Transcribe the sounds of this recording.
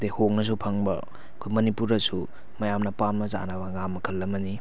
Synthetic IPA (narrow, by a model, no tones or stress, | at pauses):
dehok̚nɐs̬upʰaŋbɐ̰ | ɐkʰojmɐnipuɾɐsu | mɐjamnɐpanmɐza̰nɐbɐŋamːɐkʰɐlːɐmɐni